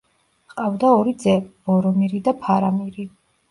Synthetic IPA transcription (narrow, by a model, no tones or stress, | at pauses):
qʼavd̪aɔɾid̪zɛb̥ɔɾɔmiɾid̪apʰaɾamiɾi